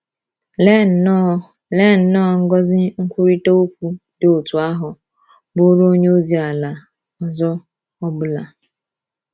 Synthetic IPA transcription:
le˦˨˦ | le˦˨n̩˨nɔ˦˨ŋ̩˦ɡɔ˦zɪ˦ŋ̩˦kʷu˦ɾi˦to˦u˦kʷu˦de˨o˨tu˨a˦ɦʊ˨ | bʊ˦ɾo˦o˦ɲe˦o˦zi˦a˨la˨ | ɔ˨zɔ˦ | ɔ˦bʊ˦la˨

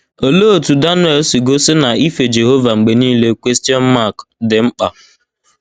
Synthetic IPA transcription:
o˨lo˦o˨tu˨da˦nwɛ˦˨lsi˨ɡo˦sɪ˦na˨i˦fe˨d͡ʒe˨ɦo˦va˨ŋ͡m̩˨ɡ͡be˨niː˦le˦kʷe˦sti˦ɔ˦n̩˦ma˦˨kdɪ˨ŋ͡m̩˦k͡pa˨

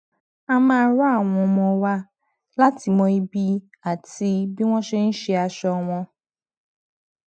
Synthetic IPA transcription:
a˧mãː˦ɾa˦a˦˨w̃ɔ̃˧˨mɔ̃˧wa˦ | la˦ti˨˧mɔ̃˧i˧bi˦ | a˨ti˧bi˦w̃ɔ̃˦ʃe˧n̩˦ʃe˧a˧ʃɔ˧w̃ɔ̃˧

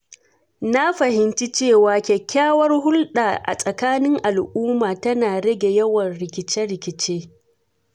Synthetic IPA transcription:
na˦ɸɐ˨hɪ˨nt͡ʃi˦t͡ʃeː˦˨waː˨kʲɛ˨kʲʰːaː˦wɐ˦rhʊ˦lɗaː˨ʔa̰˨sʼɐ˨kaː˦nɪ˦ŋʔa˨lʔuː˦maː˨tɐ˦naː˨ɽɐ˦ɡʲe˨jɐ˦wɐ˨nɽɪ˨kʲɪ˨t͡ʃɛ˦ɽɪ˨kʲɪ˨t͡ʃeː˦

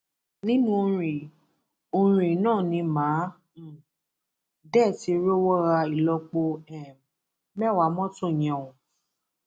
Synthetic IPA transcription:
nĩ˦nũ˦o˧ɾi˨ | o˧ɾ̃ĩ˨nãː˦˨nĩ˧mãː˨˦˨ | dɛ˦˨ti˨˧ɾo˦wɔ˦ɾa˧i˨lɔ˧k͡po˧ɛ˨m | mɛ˦˨wa˨˦mɔ̃˦tõ˦˨j̃ɛ̃˨ũ˨

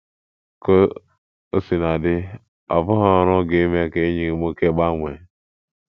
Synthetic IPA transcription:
ko˦ | o˦si˨na˨dɪ˦ | ɔ̰˨vʊ˦ɦɔ˦˨ɾʊ˦ɡe˨i˦me˦ke˨˦ɲi˨mo˦ke˦ɡ͡ba˦ŋʷe˨

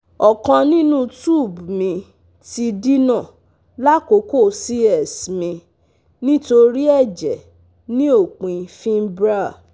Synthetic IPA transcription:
ɔ˨kã˧nĩ˦nũ˦tu˦˨bmĩ˧ | ti˧di˦nã˦˨ | la˦ko˨˦ko˦˨si˦ɛ˦˨smĩ˧ | nĩ˦to˧ɾi˦ɛ˦˨d͡ʒɛ˨ | nĩ˦o˦˨k͡pĩ˨fĩ˦m˦bɾa˦˨

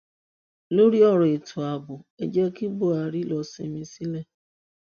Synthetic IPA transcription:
lo˦ɾi˦ɔ˦ɾʊ˨e˨tʰʊ˨a˨bʊ˨e˨d͡ʒe˦ki˦bʊ˨a˨ɾi˦lɔ˨sḛ˨mi˦si˦le˦

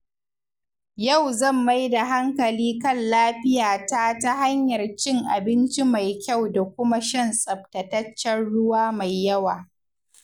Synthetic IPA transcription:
ja˦˨wzɐ˦˨mːa˦jda˨ɦa˦ŋkɐ˨liː˦kɐ˦˨nlaː˦ɸɪ˦jaː˨ta˦ta˦ɦa˦ɲjɐ˨rt͡ʃɪ˦ŋʔa˨bɪ˦nt͡ʃi˦ma˨jkʲa˦˨wda˨kʷʊ˦ma˦ʃɐ˦˨nsʼɐ˨b̚tɐ˨tɐ˦t͡ʃːɛ˦nɽʊ˦waː˦ma˨jːɐ˦waː˨

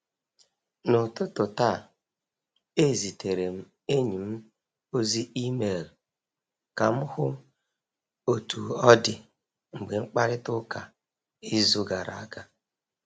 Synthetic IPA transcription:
nʊ˨tʊ˦tʊ˨ta˦˨ | e˦˨zi˨te˨ɾe˨m̩˦ | e˦ɲi˨m̩˦ | o˦zi˦ʔi˦me˨l̩˨ | ka˨m̩˦hʊ˦ | o˨tu˨ɔ˦dɪ˨ | ŋ͡m̩˨ɡ͡be˨ŋ͡m̩˦k͡pa˦ɾɪ˦tʊ˦ka˨ | i˦zu˦ɡa˨ɾa̰˨a˦ɡa˦

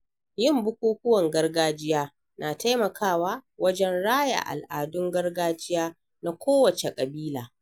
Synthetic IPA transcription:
jɪ˦˨mbʊ˦kʷuː˦kʷʊ˦wɐ˨ŋɡɐ˦rɡaː˦d͡ʒɪ˦jaː˦ | naː˨ta˦jmɐ˨kʰaː˦˨waː˦wɐ˦d͡ʒɛ˦nɽaː˦ja̰˨ʔa̰˨lʔa̰ː˨dʊ˦ŋɡɐ˦rɡaː˦d͡ʒɪ˦jaː˦ | na˨kʷoː˦wɐ˨t͡ʃe˨kʼɐ˨biː˦laː˨

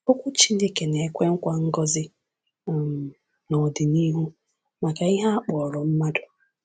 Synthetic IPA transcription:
o˦kʷʊ˦t͡ʃi˦ne˦ke˨ne˨kʷe˦ŋ̩˦kʷa˦ŋ̩˦ɡɔ˦zɪ˦˨ | m˨ | nɔ˨dɪ˨ni˦ɦu˦ | ma˨ka˨i˦ɦa˦a˦k͡pɔ˨ɾɔ˨m̩˦ma˦dʊ˨

